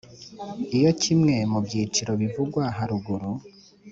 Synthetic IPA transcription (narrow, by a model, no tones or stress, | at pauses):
ijo̞cʰimŋe̞mubɟiːt͡ʃiɾo̞βivuɡwaɦaɾuɡuɾu